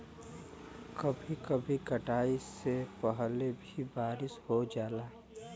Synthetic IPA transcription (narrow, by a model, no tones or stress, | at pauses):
kɐbʱikəbʱikəʈaːisepəɦlebʱibaːɾɪshod͡ʒaːlaː